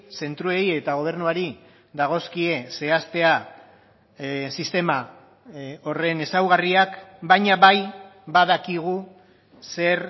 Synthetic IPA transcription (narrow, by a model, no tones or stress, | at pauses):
se̞nt̪ɾue̞ie̞t̪aɣ̞o̞β̞e̞ɾnuaɾi | ðaɣ̞o̞skie̞se̞ast̪e̞a | sist̪e̞ma | o̞re̞ne̞sawɣariakbajɲaβajbaðakiɣ̞u | se̞ɾ